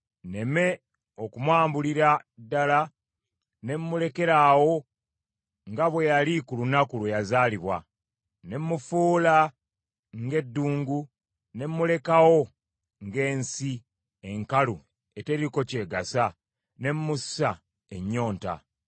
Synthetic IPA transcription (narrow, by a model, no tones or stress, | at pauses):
ne̞me̞ | okumwaːmbuliɾadːala | ne̞mːule̞ke̞ɾaːwo̞ | ŋɡaβwe̞jalikulunakulwejazaːliβwa̰ | ne̞mːufuːla | ŋɡe̞dːuːŋɡu | ne̞mːule̞kawo̞ | ŋɡe̞ːnsi | e̞ŋkalu | e̞teɾiko̞ce̞ːɡasa | ne̞mːussa | eɲːo̞ːnta̰